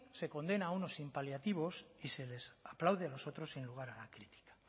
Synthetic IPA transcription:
se̞ko̞nd̪e̞nauno̞simpaljat̪iβ̞o̞sise̞le̞saplawðealo̞so̞t̪ɾo̞sinluɣ̞aɾalakɾit̪i̥kḁ

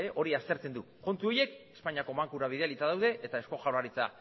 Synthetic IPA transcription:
eʔo̞ɾiast̪e̞ɾt͡se̞nd̪u | ko̞nt̪uo̞je̞ke̞̥spaɲiako̞maŋkuɾaβ̞iðealit͡s̪aðawð̞e̞ʔet̪ae̞sko̞ʝawɾaɾit͡sa̰

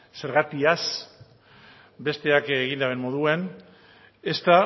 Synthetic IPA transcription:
se̞ɾɣat̪ias | be̞st̪e̞akeɣ̞ind̪aβenmːo̞ðue̞n | e̞st̪a

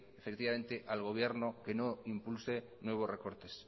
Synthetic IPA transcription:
efe̞kt̪iβame̞nt̪eʔalɣ̞o̞β̞je̞ɾno̞ke̞noimpulse̞ | nwe̞β̞o̞sre̞ko̞ɾt̪e̞s

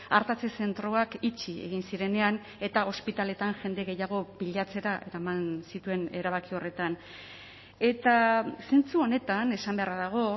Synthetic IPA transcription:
aɾt̪at͡se̞se̞nt̪ɾo̞akit͡ʃie̞̰ɣinsiɾe̞ne̞an | e̞t̪ao̞spit̪ale̞t̪anʝe̞nd̪e̞ɣe̞jaɣ̞o̞biʎat͡se̞ɾaʔe̞̰ɾamansit̪ue̞ne̞ɾaβakio̞re̞t̪an | e̞t̪ase̞nt͡suo̞ne̞t̪ane̞sambe̞araðaɣ̞o̞

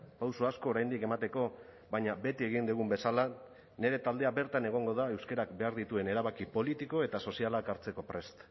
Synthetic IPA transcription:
pawsuasko̞ːɾajnd̪ike̞mat̪e̞ko̞ | βaɲabe̞t̪ieɣ̞ind̪uɣ̞umbe̞sala | ne̞ɾe̞t̪ald̪e̞abe̞ɾt̪ane̞ɣ̞o̞ŋɡo̞ðae̞wske̞ɾakbe̞aɾðit̪ue̞ne̞ɾaβakipo̞lit̪iko̞e̞t̪aso̞sialakaɾt͡se̞ko̞pɾe̞st̪

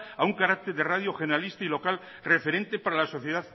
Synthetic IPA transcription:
auŋkaɾak̚t̪e̞ɾðeraðjo̞xeneɾalist̪ailo̞kal | re̞fe̞ɾẽ̞nt̪e̞paɾalaso̞θjeðað

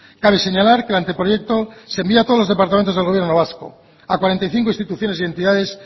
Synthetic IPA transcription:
kaβ̞ese̞ɲalaɾkelant̪epɾoje̞k̚t̪osembiat̪ozlo̞zðepaɾt̪ament̪o̞zelɣo̞βje̞ɾnoβasko̞̰ | akwaɾe̞nt̪ajθiŋko̞ĩnst̪it̪uθjo̞ne̞sie̞nt̪iðað̞e̞s

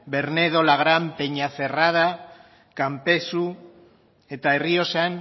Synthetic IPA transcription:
be̞ɾne̞ð̞o̞laɣɾampe̞ɲaθe̞rað̞a | kampe̞su | e̞t̪ae̞rio̞san

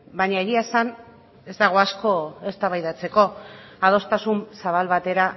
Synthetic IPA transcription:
baɲaeɾiaesan | e̞zd̪aɣ̞o̞asko̞e̞st̪aβajðat͡se̞ko̞ | aðo̞st̪asunsaβ̞alβat̪e̞ɾa

